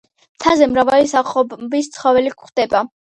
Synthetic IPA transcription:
mt̪ʰazɛmɾavalisaχɔbist̪sʰχɔvɛlikʰχd̪̥ɛba

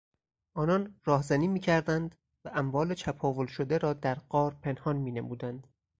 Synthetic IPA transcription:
ʔɒːnɒnrɒːhzæniːmiːcʰæɾd̪ænd̪ | væʔæmvɒːlet͡ʃʰæpʰɒːvolʃod̪eɾɒːd̪æɾɢ̥ɒːɾpʰe̞nhɒːnmiːnemuːd̪ænd̪̥

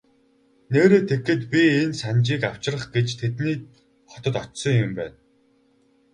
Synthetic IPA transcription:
neːɾeːt̪ʰekːɘ̆t̪pʲiensant͡ɕiːkaw̥t͡ɕɪ̆rə̆χɡet͡ɕt̪ʰet̪niː | χɔ̥t̪ə̆t̪ɔt͡ɕsɞ̆ŋjʊmpæ̰ːn

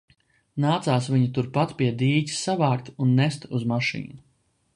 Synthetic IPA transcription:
naːt̪saːsviɲut̪uɾpat̪piɛd̪iːɟʲi̥ssavaːkt̪unːɛst̪uzmaʃḭːnu

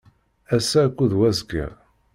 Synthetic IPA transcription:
æsːækʷːuðwæzɡæ̰

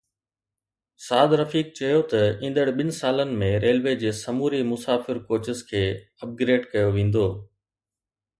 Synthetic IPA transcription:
saːd̪ɾɐfiːk̚t͡ɕɐjot̪ɐĩːnd̪əɽɓɪnɪ̆saːlənɪ̆mẽɾeːlʋeːd͡ʑeːsɐmuːɾimʊsaːfɪɾkoːt͡ɕɪskʰeː | ɐp̚ɡɾeːɖkɐjoʋẽːn̆d̪oː

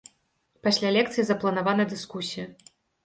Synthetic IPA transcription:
pasʲlʲalʲɛkt̪sɨjizɐplˠɐnavanɐd̪ɨskusʲijɐ

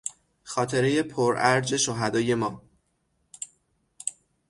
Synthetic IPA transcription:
xɒːt̪ʰe̞ɾe̞je̞pʰoɾʔæɾd͡ʒe̞ʃoɦæd̪ɒːje̞mɒː

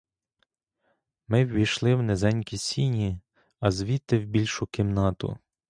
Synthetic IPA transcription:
mɪwːʲijʃlˠɪwnezɛnʲkʲisʲinʲi | ɐzʋʲit̪ːɪwbʲilʲʃʊkɪmnɑt̪ʊ̰

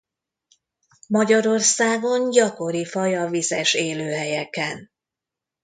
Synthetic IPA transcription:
mɒɟɒɾo̞rsaːɡo̞ɲɟɒko̞ɾifɒjɒvizɛʃeːløːɦɛjɛkɛn

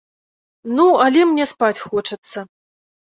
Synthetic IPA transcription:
nualʲɛmnʲɛspat͡sʲxɔt͡ʂɐt̪sːɐ

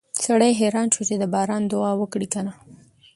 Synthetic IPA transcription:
saɽajɦeɾɑnʃut͡ʃed̪əbɑɾɑnd̪ʊɑwəkɽikana

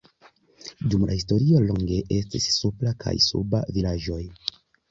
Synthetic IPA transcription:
dumlahisto̞ɾio̞loŋɡe̞ʔe̞stissuplakʰa̰jsṵba̰vilaʒo̞j

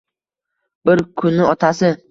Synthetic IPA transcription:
bɪɾkʰʊnːɪɒt̪ʰasɪ

